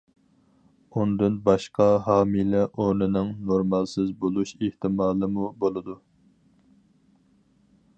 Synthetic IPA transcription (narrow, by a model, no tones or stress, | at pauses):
und̪ɨnbɑʃqɑɦɑːmilɛʔoɾnɪnɪŋnoɾmɑlˠsɪzbolˠuʃeht̪ɪmɑːlˠɨmubolˠɨd̪u